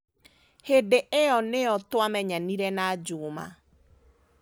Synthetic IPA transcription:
hedeʔeɔneɔtʊamɛɲaniɾɛnad͡ʒʊma̰

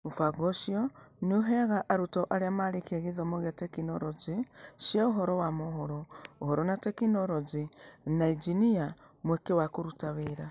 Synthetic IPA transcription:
ufaɡoʃioniuɦeɣaʔaɾutoʔaɾeamaɾikeɣiðomoɣatekinoɾoziʃjauɦoɾowamoɦoɾouhoɾonatekinoɾozinaid͡ʒinia | mwekewakoɾutaβeɾa

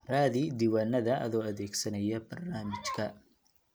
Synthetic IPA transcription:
raːðid̪iːwaːnːɐðɐʔɐ̰ðɔːɐðɛːɡsɐnɐjɐbɐrnaːmɪt͡ʃkʰɐ

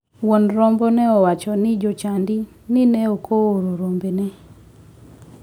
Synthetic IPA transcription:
wɔnɾɔmbɔnɛɔwat͡ʃɔnɪd͡ʒɔt͡ʃandɪ | nɪnɛɔkʰooɾoɾombenɛ

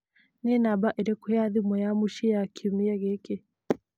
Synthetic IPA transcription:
nɛnabaʔiɾɛkujaðimɔjamuʃijakʰimiaɣɛke

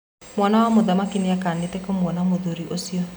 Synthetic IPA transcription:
mwanawamoðamakinejakanetekomwɔnamoðoɾiʔosiɔ

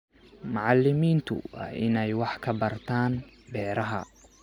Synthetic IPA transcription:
mɑʕɑlːɪmiːnt̪ʰʊ̰wɑ̰ːʔɪnɛjwɑħkʰɐbɐrt̪ʰaːn | bɛːɾɐɦɐ̰

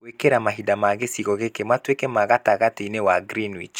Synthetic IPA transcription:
wekeɾamaɦidamaɣesiɣɔɣekematwekɛmaɣataɣateinewaɡɾinwḭt͡ʃ

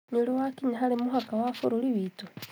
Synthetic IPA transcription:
ɲulowakiɲaɦalemuɦakawafoɾoliβiːto

